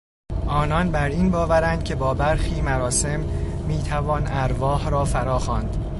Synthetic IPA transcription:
ʔɒːnɒnbæɾiːnbɒːvæɾænd̪̚cʰe̞bɒːbæɾxiːmæɾɒːse̞mːiːt̪ʰævɒːnæɾvɒːhɾɒːfæɾɒːxɒːnd̪̥

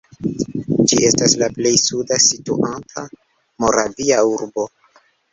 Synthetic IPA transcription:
d͡ʒiʔe̞staslaple̞jsudasituʔantʰa | mo̞ɾaviauɾbo̞

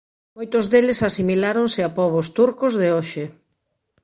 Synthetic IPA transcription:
mojt̪ʊzðelɪsasimilaɾoŋsɪapɔβ̞ost̪uɾkozðɪoʃɪ

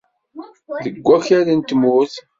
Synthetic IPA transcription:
ðəɡʷːæçaɾænt̪ːəmʊθ

